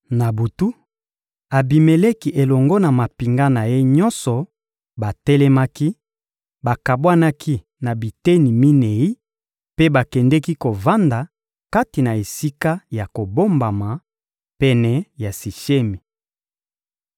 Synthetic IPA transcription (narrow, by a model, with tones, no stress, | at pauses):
na˨bu˨tu˦ | a˨bi˨me˨lɛ˦ki˦ʔe˨lɔ˨ŋɡɔ˦na˨ma˨pi˨ŋɡa˦na˨je˦ɲɔ˦nsɔ˨ | ba˨tɛ˦lɛ˦ma˦ki˦ | ba˨ka˨bwa˦na˦kʰi˦ | na˨bi˨te˦ni˨mi˦nɛ˨i˦ | pe˦ba˨kɛ˨ndɛ˦ki˦ko˨va˦nda˨ | ka˦ti˨na˨e˨si˦ka˦ja˨ko˨bo˦mba˨ma˨ | pɛ˨nɛ˨ja˨si˨ʃe˦mi˨